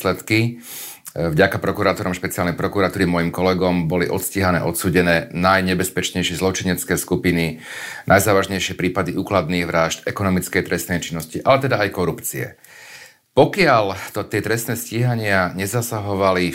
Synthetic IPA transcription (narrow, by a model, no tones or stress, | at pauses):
slɛt̪ki | vɟakapɾɔkuɾat̪ɔɾɔmʃpɛt͡sɪalnɛjpɾɔkuɾat̪uːɾimɔjimkɔlɛɡɔmbɔliʔɔ̰t̪sciɦanɛ̰ːʔɔt̪suːɟɛnɛːnajɲɛbɛspɛt͡ʃɲɛjʃɪɛzlɔt͡ʃiɲɛt͡skɛːskupininajzaːʋaʒɲɛjʃɪɛpɾiːpad̪iʔuːklad̪niːɣʋɾaːʒt̪ɛkɔnɔmit͡skɛjt̪ɾɛstnɛjt͡ʃinːɔsciʔalɛt̪ɛd̪aajkɔɾupt͡siɛ̰ | pɔkɪalt̪ɔt̪ɪɛt̪ɾɛst̪nɛːsciɦaɲɪaɲɛzasaɦɔʋali